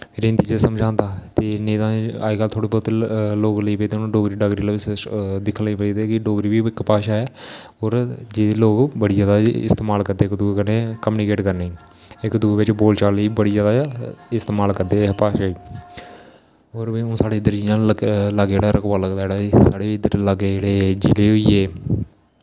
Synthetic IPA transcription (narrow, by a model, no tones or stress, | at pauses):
ɾẽːnd̪iːd͡ʒeːsəmd͡ʒʱãːnd̪aːt̪eːnẽːt̪ãːa̰ːikaːlt̪ʰoːɽeːbɔːt̪loːɡləiːpeːd̪ẽːɖoːɡɾiːɖaːɡɾiːlaɪd̪ɪkʰliːped̪eːkɪɖoːɡɾiːʋiːɪkpaːʃaːɛː | oːɾd͡ʒeːeloːɡbəɽiːd͡ʒaːd̪aːɪst̪eːmaːlkəɾd̪eːkd̪uːkəneːkəmuːnikeːʈkəɾneː | ɪkd̪ueʋɪt͡ʃboːlt͡ʃaːliːbəɽiːd͡ʒaːd̪aɪst̪eːmaːlkəɾd̪eːpaːʃaːiː | oːɾbiːõːsaːɽeːɪd̪əɾd͡ʒiːjãːləɡd͡ʒeːɽaːɾʔəkʋaːləɡd̪aːeɽaːsaːɽeːʋiɪd̪əɾləɡeeːɽeːd͡ʒileːɦoiːeː